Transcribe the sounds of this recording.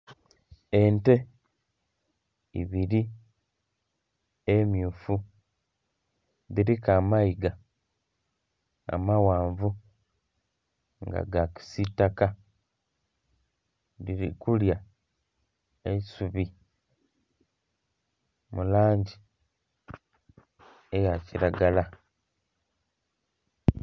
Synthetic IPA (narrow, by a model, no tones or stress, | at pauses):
e̞nte̞ | ḭβiɾi | emjuːfu | ðiɾikaːmaiɡa | a̰mawaːɱvu | ŋɡa̰ɡaki̥sitaka | diɾikulja | esuβi | mulaːɲɟi | ejaciɾaɡala